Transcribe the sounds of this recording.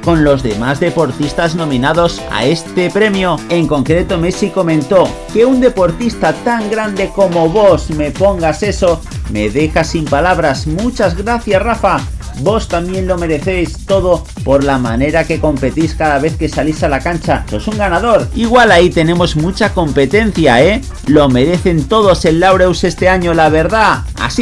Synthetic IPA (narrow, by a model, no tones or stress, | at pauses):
ko̞nlo̞zðe̞mazðe̞po̞ɾt̪ist̪aznõ̞mĩnað̞o̞sa̰e̞st̪e̞pɾe̞mjo̞e̞ŋko̞ŋkɾe̞t̪o̞mesiko̞mẽ̞nt̪o̞ | ke̞und̪e̞po̞ɾt̪ist̪at̪aŋɡɾand̪e̞ko̞mo̞βo̞sme̞po̞ŋɡase̞so̞ | me̞ðe̞xasimpalaβ̞ɾasmut͡ʃazɣɾaθjasrafa | bo̞st̪amje̞nlo̞me̞ɾe̞θe̞jst̪o̞ð̞o̞ | po̞ɾlamane̞ɾake̞ko̞mpe̞t̪iskaðaβ̞e̞θke̞salisalakant͡ʃaso̞suŋɡanaðo̞ɾiɣwalait̪e̞nẽ̞mo̞zmut͡ʃako̞mpe̞t̪e̞n̟θjae | lo̞me̞ɾe̞θe̞nt̪o̞ð̞o̞se̞nlawɾewse̞st̪e̞aɲo̞laβ̞e̞ɾða | a̰s